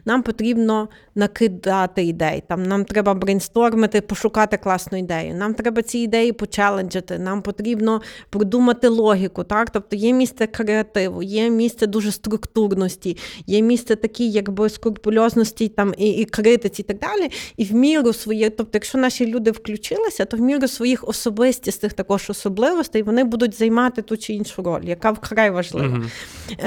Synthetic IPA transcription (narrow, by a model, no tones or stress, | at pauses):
nɑmpɔt̪ɾʲibnɔ | nɐkɪd̪ɑt̪ɪid̪ɛjt̪ɑmnɑmt̪ɾɛbɐbɾenʲst̪ɔrmɪt̪ɪpɔʃʊkɑt̪ɪklˠɑsnʊid̪ɛjʊ̰nɑmt̪ɾɛbɐt͡sʲiːd̪ɛjipɔt͡ʃɛlˠenʲd͡ʒɐt̪ɪnɑmpɔt̪ɾʲibnɔpɾɪd̪umɐt̪ɪlˠɔɦʲikʊt̪ɑkt̪ɔp̚t̪ɔjɛmʲist̪sɛkɾeɐt̪ɪʋʊ̰jɛmʲist̪sɛd̪uʒɛst̪ɾʊkt̪urnɔsʲtʲijɛmʲist̪sɛt̪ɐkʲijɐɡbɪskʊrpʊlʲɔznɔsʲtʲijt̪ɑmikɾɪt̪ɪt͡sʲit̪ɐɡ̚d̪ɑlʲiiwmʲiɾʊsʋɔjit̪ɔp̚t̪ɔjɐkʃt͡ʃɔnɑʃʲilʲud̪ɪwklʲʊt͡ʃɪlˠɪsʲɐt̪ɔwmʲiɾʊsʋɔjixɔsɔbɪsʲtʲisnɪxt̪ɐkɔʒɔsɔblˠɪʋɔst̪ɛjʋɔnɪbud̪ʊt̚ʲzɐjmɑt̪ɪt̪ut͡ʃɪinʃʊɾɔ̰lʲjɐkɑwkɾɑjʋɐʒlˠɪ̰ʋɐ